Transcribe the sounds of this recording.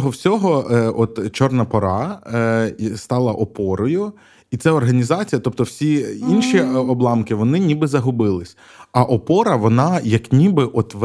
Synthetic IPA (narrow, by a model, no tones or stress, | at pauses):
ɦɔwsʲɔɦɔɔt̪t͡ʃɔrnɐpɔɾɑ | st̪ɑlˠɐʔɔpɔɾɔjʊ | it̪sɛɔrɦɐnʲizɑt͡sʲijɐt̪ɔp̚t̪ɔwsʲiinʃiɔblˠɑmkɪʋɔnɪnʲibɪzɐɦʊbɪlˠɪsʲ | ɐʔɔpɔɾɐʋɔnɑjɐknʲibɪʔɔt̪ʋ